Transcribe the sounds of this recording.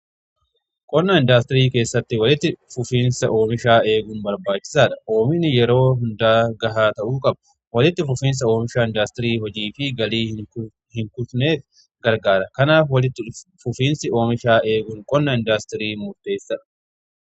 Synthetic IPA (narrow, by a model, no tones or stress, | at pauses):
kʼɔnːɐɪnd̪aːst̪ɪɾiːke̞ːsːɐt̪ːɪwɐlɪt̪ːɪfʊfiːnsɐʔo̞ːmɪʃaːe̞ːɡʊnbɐɾbaːt͡ʃːɪ̥saːᶑɐ̥o̞ːmɪnɪjɛɾo̞ːɦʊnd̪aːɡɐɦaːt̪ɐʔuːkʼɐbɐ | wɐlɪt̪ːɪfʊfiːns̬ɐo̞ːmɪʃaːɪnd̪aːst̪ɪɾiːɦɔd͡ʒiːfɪɡɐliː | hɪŋkʊfne̞ːf | ɡɐɾɡaːɾɐkɐnaːfwɐlɪt̪ːɪfʊfiːnsɪo̞ːmɪʃaːe̞ːɡʊŋkʼɔnːɐɪnd̪aːst̪ɪɾiːmʊɾt̪ʼːe̞ːsːɐᶑɐ̥